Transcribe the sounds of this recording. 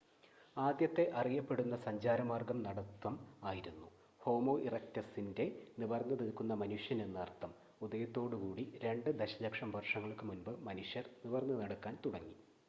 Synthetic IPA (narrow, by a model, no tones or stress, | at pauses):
aːd̪jɐt̪ːe̞ʔɐrijɐpːe̞ɽunːɐsɐɲd͡ʑaːɾɐmaːrɡɐmnɐɽɐt̪wɐmaːjiɾunːu | ho̞ːmo̞ːʔirɐktɐsinde̞niʋɐrnːɐnɐɽkːunːɐmɐnuʂjɐne̞nːɨɐrt̪ːɐm | ud̪ɐjɐt̪ːo̞ːɽɨkuːɽiɾe̞ɳɖɨd̪eɕɐlɐkʂɐmʋʱɐrʂɐŋːɐɭkːɨmunbɨmɐnuʂjɐrniʋɐrnːɨnɐɽɐkːaːnt̪uɽɐŋːi